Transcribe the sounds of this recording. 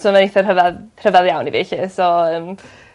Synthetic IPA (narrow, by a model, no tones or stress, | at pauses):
sɔmaniθɛr̥əvaðr̥əvaðjawnivḭɬisɔəːm